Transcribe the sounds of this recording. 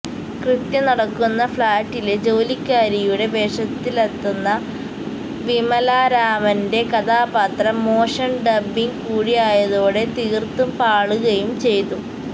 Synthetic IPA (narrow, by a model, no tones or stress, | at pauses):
krɨt̪jɐnɐɽɐkːunːɐfɭaːʈːiled͡ʑo̞ːlikʲːaːɾijuɽe̞be̞ːʂɐt̪ːilɐt̪ːunːɐ | ʋimɐlaːɾaːmɐnde̞kɐðaːpɐt̪rɐmːo̞ːʂɐnɖɐbːiŋkuːɽijaːjɐðo̞ːɽe̞t̪iːrt̪umpaːɭuɣɐjumt͡ɕe̞jt̪u